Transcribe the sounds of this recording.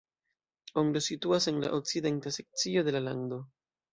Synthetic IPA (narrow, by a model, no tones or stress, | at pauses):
oŋɡlosituase̞nla̰ʔok̚t͡side̞ntase̞k̚t͡sio̞de̞lalando̞